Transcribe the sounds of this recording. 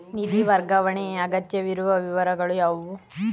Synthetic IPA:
nid̪iʋɐɾɡɐʋɐɳeɐɡɐt̪jɐʋiɾuʋɐʋiʋɐɾɐɡɐɭujaʋu

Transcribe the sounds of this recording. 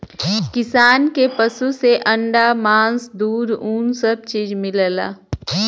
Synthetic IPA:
kɪsaːnkepəsuseʔɐ̃ɳɖamãːnsd̪uːɾuːnsəb̚t͡ʃiːd͡ʒmɪləla̰ː

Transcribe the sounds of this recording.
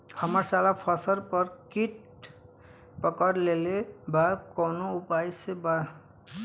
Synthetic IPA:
ɔmaɹsalapʰɔsɔɾpɔɹkiʈ | pɔkɔɾlelebakɔwnoupajseba

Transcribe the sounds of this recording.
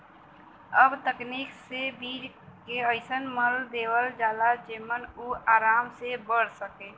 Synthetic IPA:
əbt̪əkniːksebiːd͡ʒ | keəɪsənməld̪eːwəld͡ʒaːlad͡ʒeːmənuːaːɾaːmsebəɽ̤səkeː

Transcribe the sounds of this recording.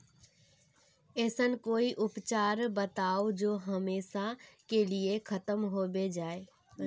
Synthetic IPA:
ɛːsənkoːiʔʊpt͡ʃaːɾbət̪aːod͡ʒoːɦɐmeːʃakeliekʰɐt̪əmɦobed͡ʒaːeː

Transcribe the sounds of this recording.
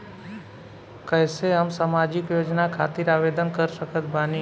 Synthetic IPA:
kəjseəmsəmad͡ʒikjod͡ʒnakʰat̪iɾaʋed̪ənkəɾʃəkət̪̚ʰbʱani

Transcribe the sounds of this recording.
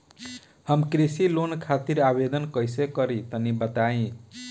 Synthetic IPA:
hʌmkɾisilonkʰat̪iɾabed̪ʌnkʌjsekʌɾit̪ʌnibʌt̪aĩ

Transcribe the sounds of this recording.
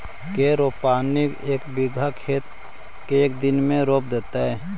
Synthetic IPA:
keɾoːpaːnikeːkbɪɡʱakʰeːt̪̚ | keeːkd̪ɪnmẽɾoːp̚d̪et̪aɦɛː

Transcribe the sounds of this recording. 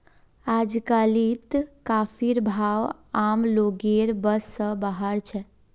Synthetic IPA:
ad͡ʒkalit̪kapʰiɾbʱawamloɡeɾbəsːə̃baɦaɾt͡ʃʰɛ

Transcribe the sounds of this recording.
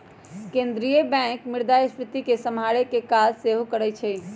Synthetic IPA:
kẽnd̪ɾijəbɛ̃kmiɾd̪ajspɾɪt̪ikesəmɦaɽekekad͡ʒseɦokəɾɛt͡ʃʰɛ

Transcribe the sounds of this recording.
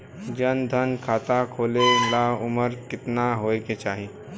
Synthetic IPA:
d͡ʒənd̪ʱənkʰaːt̪akʰoːlelaʊməɾkɪt̪naɦoːeket͡ʃaːɦiː

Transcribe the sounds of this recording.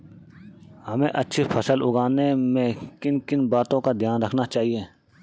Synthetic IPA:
hɐmẽʔɐtːʃʰipʰɐsəlʊɡaːnemẽkɪnkɪnbaːt̪õkad̪ʱjaːnɾɐkʰnat͡ʃaːɦieː

